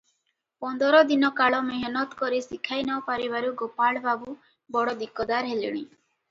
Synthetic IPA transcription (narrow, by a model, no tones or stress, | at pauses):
pɔnd̪ɔɾɔd̪inɔkaɭɔmeɦnɔt̪kɔɾisikʰajnɔwpaɾibaɾuɡopaɭbabu | bɔɽɔd̪ikɔd̪aɾɦeliɽ̃i